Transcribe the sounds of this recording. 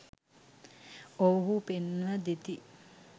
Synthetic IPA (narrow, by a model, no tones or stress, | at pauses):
owɦupenʋəd̪et̪i